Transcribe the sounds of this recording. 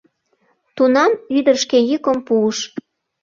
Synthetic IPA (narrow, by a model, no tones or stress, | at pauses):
t̪unɑmyd̪ərʃkejykəmpuːʃ